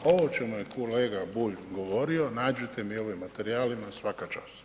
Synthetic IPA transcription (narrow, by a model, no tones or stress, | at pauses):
o̞ʋot͡ʃe̞mujekʰoleːɡabuʎɡo̞ʋo̞ɾio̞naːd͡ʒut̪e̞mio̞ʋimːat̪e̞ɾiaːlimasʋakat͡ʃa̰s